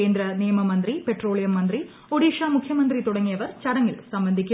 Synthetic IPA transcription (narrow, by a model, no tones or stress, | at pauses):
eːnd̪ɾɐnijɐmɐmɐnd̪ripe̞ʈro̞ːɭijɐmːɐnd̪ri | oɽiːʂaːmukʰjɐmɐnd̪rit̪uɽɐŋːijɐʋɐrt͡ɕɐɽɐŋːilsɐmbɐnd̪ʱikʲː